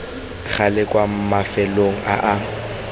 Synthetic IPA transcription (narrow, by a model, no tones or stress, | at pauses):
k͡xʰalɪkʼwam̩mafɛloŋ̩ʔa̰ʔa